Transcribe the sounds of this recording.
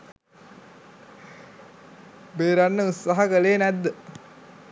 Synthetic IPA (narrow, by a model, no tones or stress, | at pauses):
beːɾanːəut̪saɦɐkəleːnæd̪ːə